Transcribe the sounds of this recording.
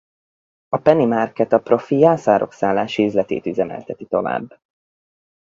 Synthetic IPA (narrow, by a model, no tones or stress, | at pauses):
ɒpɛnimarkɛt̪ɒpro̞fijaːsaːɾo̞̰ksaːlːaːʃiyzlɛt̪ḛːt̪yzɛmɛ̰lt̪ɛt̪it̪o̞va̰ːbː